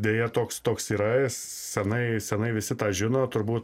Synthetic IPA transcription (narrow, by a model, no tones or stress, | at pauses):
d̪ʲeːjɛt̪oːkst̪oːksiːɾɐs | sʲɛnɐɪsʲɛnɐɪʋʲɪsʲɪt̪ɑːʒʲɪnoːt̪ʊɾbuːt̪